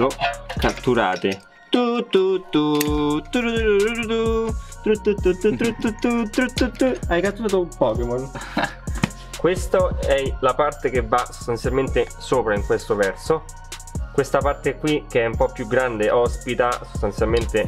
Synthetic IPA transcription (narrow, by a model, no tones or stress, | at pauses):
okat̪ːuɾa̰ːt̪e | t̪ut̪ːut̪ːut̪ːuuɾɾuɾt̪ut̪ɾut̪ːut̪ːut̪ːut̪ːɾut̪ːut̪ːut̪ːɾut̪ːut̪ːuajkat̪ːuɾaːt̪oumpɔːkemon | kwest̪oɛlapart̪ek̟evːaso̥st̪ant̪sjalment̪e | soːpɾaiŋkwest̪ovɛrso | kwest̪apart̪ekwik̟eɛumpɔpːjuɡːɾand̪eʔɔspit̪aso̥st̪ansjalment̪e